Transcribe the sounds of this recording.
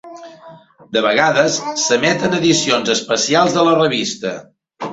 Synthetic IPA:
d̪əβəɣaðəsːəmɛt̪ənəðisionzəspəsialˠzðələrəβist̪ə

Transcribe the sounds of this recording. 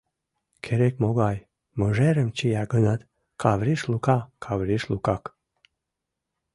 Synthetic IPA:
kʰeɾekmoɡaj | məʒeɾəmt͡ʃijaɡənad̪ | kʰavɾiʃlukakʰavɾiʃlukak

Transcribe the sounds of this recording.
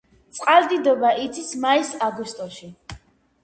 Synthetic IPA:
t̪sʼqʼald̪id̪ɔbaʔit̪sʰismaisaɡwist̪ʼɔʃi

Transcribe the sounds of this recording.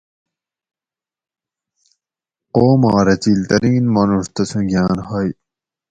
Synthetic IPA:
qoːmɑːɾɐt͡ɕilt̪ɐɾĩːnmɐnuʂt̪ɐsʰũɡʲaːnhɐj

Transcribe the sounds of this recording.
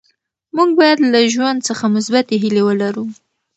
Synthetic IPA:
muɡ̚bɑjad̪laʒwand̪səxamʊsbat̪eɦɪlewəlaɾu

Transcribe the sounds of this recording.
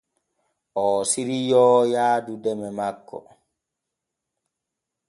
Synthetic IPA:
ʔɔːsiɾijɔːjaːdudɛmɛmakːɔ̰

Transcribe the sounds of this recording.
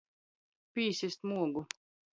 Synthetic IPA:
pʲiːsʲisʲt̪muɔɡu

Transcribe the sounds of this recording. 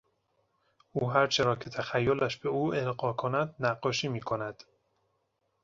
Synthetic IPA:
uːɦæɾt͡ʃʰeɾɒːcʰe̞t̪ʰæxæjːolæʃb̥e̞uːelɢɒːkʰonæd̪næɢːɒːʃiːmiːkʰonæd̪̥

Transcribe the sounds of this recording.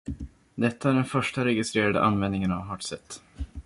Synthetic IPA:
d̪ɛt̪ːaæɖɛnfœʂʈaɾɛɡɪst̪ɾeːɾad̪ə̰ʔanvɛnd̪nɪŋənavɦɑːʈsɛt̪ː

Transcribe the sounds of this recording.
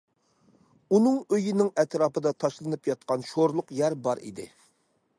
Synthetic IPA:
unɨŋøjinɪŋɛt̪ɾɑːpʰɨd̪ɑt̪ʰɑʃlˠɨnɨpjɑt̪̚qɑnʃoɾlˠʊqjæɾbɑɾḭd̪ɪ̰

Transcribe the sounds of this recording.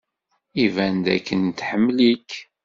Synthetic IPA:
ivænd̪æ̰kːənt̪ħəmːlik

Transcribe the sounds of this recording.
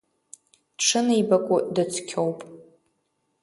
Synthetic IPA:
ʈ͡ʂʰɨneibakʷʼʊdat͡sʷʰkʲʰowpʼ

